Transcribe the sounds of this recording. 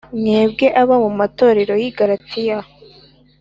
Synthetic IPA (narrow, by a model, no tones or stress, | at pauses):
mŋeːb̚ɡe̞ʔaβamumato̞ːɾe̞ɾo̞jiɡaɾat͡sija